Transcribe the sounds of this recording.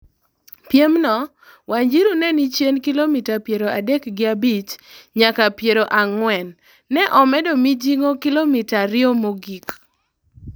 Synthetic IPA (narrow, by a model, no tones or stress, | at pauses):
pjemnɔ | waɲd͡ʒiɾunɛnit͡ʃjenkilomitapjeɾoʔadɛkɡɪabit͡ʃɲakapjeɾoʔaŋwɛnː | ɛʔɔmɛdɔmid͡ʒiŋokilomitaɾɪomoɡik